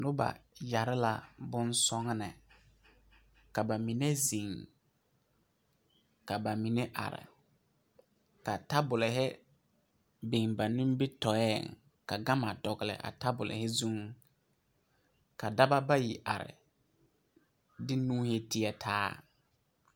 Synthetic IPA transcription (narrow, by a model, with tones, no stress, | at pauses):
nʊ˦ba̰˨ja˨ɾɪ˦la˨bʊ˦nsɔ˦ŋ˦nɪ˨ | ka˨ba˨mi˨ne˦zi˨ŋ | ka˨ba˨mi˨ne˦ʔa̰˨ɾɪ̰˨ | ka˨ta˦bʊ˨lɪ˨ɦɪ˦ | be˨ŋba˨nũ˦mbɪ˦tɔ˨ɛː˦˨ŋ | ka˨ɡa˦ma˨dɔ˨ɡɪ˨lɪ̰˨ʔa̰˨ta˦bʊ˨lɪ̰˨hɪ˦zu˦ŋ | ka˨da˦ba˦ba˦ji˨ʔa̰˨ɾɪ̰˨ | dɪ˦nũː˦he˦tɪ˦ɛ˨tʰaː˦